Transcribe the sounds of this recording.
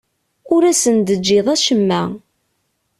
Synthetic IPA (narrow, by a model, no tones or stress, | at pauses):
ʊɾæsənd̪əd͡ʒːɪðˤæʃəmːæ